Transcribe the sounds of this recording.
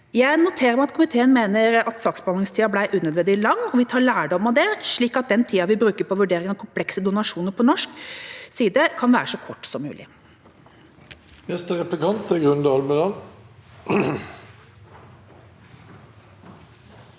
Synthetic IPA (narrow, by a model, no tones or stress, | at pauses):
jæɪnʊt̪ʰeːɾəɾmæɪɑt̪kʰʊmɪt̪ʰeːənmeːnəɾɑt̪sɑːksbɑːnɪŋst̪ʰiːɑblæɪʔʉːnɛd̪ʋɛnd̪ɪlɑŋːɔʋɪt̪ʰɑːɭæːɖɔmɑd̪ɛʂɭiːkɑt̪̚d̪ɛnt̪ʰiːɑʋɪbɾʉːkəpʰɔʋʉɖeːɾɪŋɑkʰʊmpʰlɛksəd̪ʊnɑʂuːnəɾpʰɔnɔʂksiːd̪əkʰɑnʋæ̰ːɾəʂɔkʰɔʈːsɔmːʉ̰ːlɪ̰ | nɛst̪əʁɛplɪkʰɑnt̪əɡʁʉnd̪əɑlməd̪ɑn